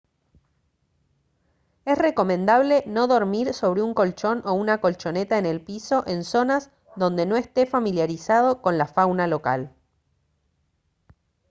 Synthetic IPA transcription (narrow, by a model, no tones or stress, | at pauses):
esre̞ko̞mẽnd̪aβle̞no̞ðo̞ɾmiɾso̞β̞ɾeuŋko̞lt͡ʃo̞nʔo̞unako̞lt͡ʃo̞ne̞t̪aene̞lpiso̞ʔe̞nso̞naz | ðo̞nd̪e̞no̞est̪e̞familjaɾisaðo̞ko̞nlafawnalo̞ka̰l